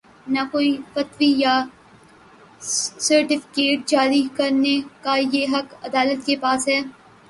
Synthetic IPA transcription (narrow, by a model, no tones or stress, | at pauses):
nakoːifɐt̪wija | sɐɾʈɪfɪ̥keːʈ̚d͡ʒaːɾikɐɾnekajeɦɐkɐd̪aːlət̪kepaːsɦɛː